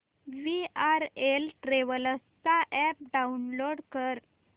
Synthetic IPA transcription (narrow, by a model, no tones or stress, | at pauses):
ʋiaɾelʈɾeʋələst͡saʔɛp̚ɖaunloɽkəɾ